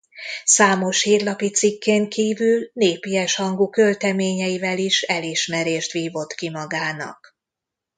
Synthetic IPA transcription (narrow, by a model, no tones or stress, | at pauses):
saːmo̞ʃhiːrlɒpit̪sikːeːŋkiːvylneːpijɛʃhɒŋɡukølt̪ɛmeːɲɛjivɛliʃɛliʃmɛɾeːʃt̪ʋiːvo̞t̪kimɒɡaːnɒ̰k